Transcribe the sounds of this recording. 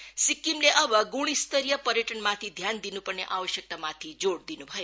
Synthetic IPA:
sikːimleʔəʋəɡuɽ̃ist̪əɾijəpəɾjəʈənmãt̪ʰid̪ʱjand̪inũpəɾneʔaʋəʃjək̚t̪amãt̪ʰid͡ʒoɽd̪inũbʱəje

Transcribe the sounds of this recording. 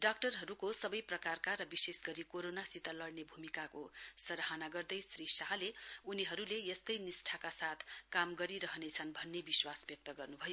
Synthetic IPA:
ɖak̚ʈʌrɦʌɾukosʌbʌjprʌkarkaɾʌbisesɡʌɾikoɾonasit̪alʌɽnebʱumikakosʌɾɦanaɡʌrd̪ʌjsrisaɦʌleuniɦʌɾulejest̪ʌjnisʈʰakasat̪ʰkamɡʌɾiɾʌɦʌnet͡sʰʌnbʱʌnːebiswasbjʌk̚t̪ʌɡʌrnubʱʌjo

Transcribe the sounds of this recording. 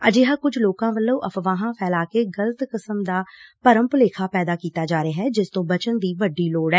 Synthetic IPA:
əd͡ʒeːɦaːkʊd͡ʒʱloːkãːʋəlːũːʔəpʰʋaːɦãːpʰɛːlaːkeːɡələt̪kəsəmd̪aːpəɾəmpleːkʰaːpɛːd̪aːkiːt̪aːd͡ʒaːɾeaːɦɛːd͡ʒɪst̪õːbət͡ʃənd̪iːʋəɖːiːloːɽɛː

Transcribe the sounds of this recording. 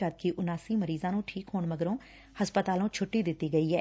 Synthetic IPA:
at̪̚kiʔʊnaːsiːməɾiːzãːnũːʈʰiːkɦoːɳməɡəɾõː | həspət̪aːlõːt͡ʃʰʊʈːiːd̪ɪt̪ːiːɡəiːɛː

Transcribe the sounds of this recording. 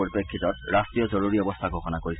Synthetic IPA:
oɹipekʰːitɔt̚ɹastɹijɔzoɹuɹiɔbɔst̪ʰaɡʱoxɔnakoɹis

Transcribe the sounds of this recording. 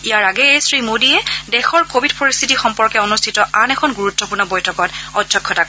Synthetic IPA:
ijaɹaɡɛejsɹimodiɛdɛxɔɹkobʱidpoɹistʰitixɔmpɔɹkɛonustʰitɔʔanɛkʰɔnɡuɹutːɔpuɹnɔbɔjtʰɔkɔtɔdʱjɔkʰːɔtak

